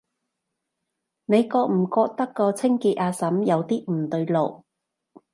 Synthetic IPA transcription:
ne˨˧jkɔː˧k̚m̩˨˩kɔː˧k̚t̪ɐ˥kːɔː˧t͡sʰɪ˥ŋkiː˧t̚ʔaː˧sɐ˨˥mjɐ˨˧wt̪iː˥m̩˨˩t̪ɵ˧ɥlo˨˩w

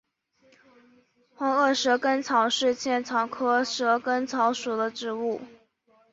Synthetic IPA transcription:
xɑ˧˥ŋɤ˥˩ʂɤ˧˥kə˥nt͡sʰɑ˨˥ʊʂɻ̩˥˧t͡ɕʰjɛ˥˩nt͡sʰɑ˨˩ʊkʰɤ˥ʂɤ˧˥kə˥nt͡sʰɑ˧˥ʊʂu˨˩d̪ə˦ʈ͡ʂɻ̩˧˥u˥˩

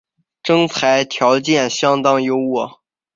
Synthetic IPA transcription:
ʈ͡ʂɤ˥ŋt͡sʰa˧˥ɪt̪ʰjɑ˧˥ʊt͡ɕjɛ˥˩nɕjɑ˥ŋt̪ɑ˥ŋjo˧˥ʊwɔ˨˩˦

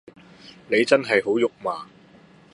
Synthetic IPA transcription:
ne˨˧jt͡sɐ˥nɦɐ˨jɦo˨˥wjʊ˨k̚maː˨˩

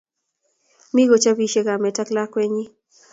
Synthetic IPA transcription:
mi˦ɡo˨t͡ʃa˦bi˦ʃe˨ɡa˨mɛ˨ta˦kla˦kwɛ˦ɲi˦

